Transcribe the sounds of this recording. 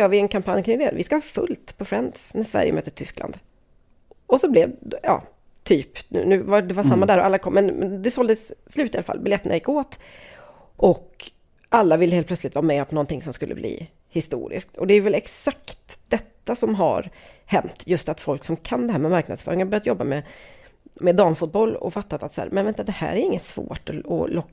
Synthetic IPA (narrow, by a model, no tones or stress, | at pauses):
ɾvɪɛnkʰampʰanjkʰɾɪŋd̪ɛnvɪskahɑːfɵ̰lt̪pʰɔfɾɛnsnæʂvæ̰ɾjə̰mœ̰ːt̪əʈʰʏsklʔa̰nd̪ | ɔsɔblɛvjɑ̰ː | t̪ʰyːpnʉ̟ːnʉ̟ːvad̪ɛvasamːad̪æːɾɔʔalːakʰɔmːɛnmɛnd̪ɛsɔld̪əsːlʉ̟t̪ɪalafa̰lːbɪlɛt̪ːəna̰jɪkːoːt̪ | ʔɔk | ʔalːavɪlːəheːlpʰlœtslɪt̪vɑːɾmɛpnɔnt̪ɪŋsɔmskɵlːəblḭː | hɪst̪ṵːɾɪ̰sk̚t̪ɔd̪ɛæjvɛlɛksakt̪d̪̥ɛt̪ːasɔmɦa̰ɾhɛnt̪jɵst̪at̪fɔlksɔmkʰand̪ɛhæːɾmɛmaɾknad̪sfœ̰ːɾɪŋabœɾjat̪jɔbːamɛ | mɛd̪ɑːmfʊt̪̚bɔlːɔ̰fat̪ːat̪at̪sæ̰ːɾmɛnvɛnad̪ɛhæ̰ːɾæɾɪŋːət̪svo̰ːʈɔɔ̰lɔkː